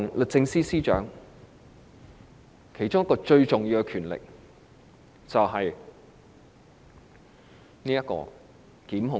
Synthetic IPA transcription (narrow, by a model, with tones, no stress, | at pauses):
ŋlɵ˨t̚t͡sɪ˧ŋsiː˥siː˥t͡ʃœ̰ː˨˥ŋ | kʰe˨˩jt͡ʃʊ˥ŋjɐ˥kːɔː˧t͡ʃɵ˧ɥt͡sʊ˨ŋjiː˧wkɛ˧kʰyː˨˩nlɪ̰˨k̚ | t͡sɐ˨wɦɐ˨j | niː˥jɐ˥t̚kːɔ̰ː˧ | kiː˨˥mɦʊ˨˧